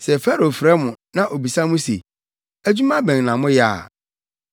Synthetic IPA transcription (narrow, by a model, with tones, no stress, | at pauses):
sɛ˨fɛ˦ɾo˨fɾɛ˦mʊ̃˨nã˦ʔo˨bi˨sã˦mʊ̃˦se˨ | æ˦d͡ʑu˦mã˦bɛ̃˨ŋ˨nã˨mʊ̃˦jɛ˦a̰˦˨